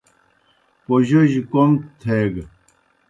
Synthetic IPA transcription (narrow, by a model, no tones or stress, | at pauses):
poʑoʑikomt̪ʰeɡ